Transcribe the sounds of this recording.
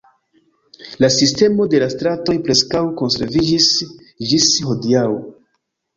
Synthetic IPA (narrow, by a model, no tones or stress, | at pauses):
lasiste̞mo̞de̞lastɾato̞jpɾe̞skawko̞nse̞̰ɾvid͡ʒis | d͡ʒisho̞diaw